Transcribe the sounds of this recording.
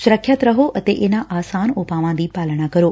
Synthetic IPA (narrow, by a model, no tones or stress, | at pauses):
sʊɾəkʰːjət̪ɾɐɦoʔɐt̪eʔenãʔaːsaːnoːpaːʋãnd̪iːpaːlɽ̃akɐɾoː